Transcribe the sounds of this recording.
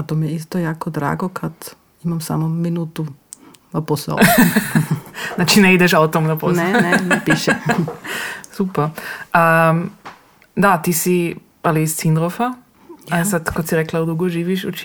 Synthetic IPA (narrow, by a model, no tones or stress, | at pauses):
at̪omijɛis̬t̪ojaːkod̪ɾa̰ːɡokʰad̪ | imamsa̰mominuːt̪u | naposa̰ | znat͡ʃinɛid̪ɛʃaut̪omnaponenenpiʃɛ | supɛɾa | d̪at̪iːsi | aliːst̪sind̪ɾofa | asad̪kot̪siɾeklaud̪uɡoʒiːʋiʃut͡ʃ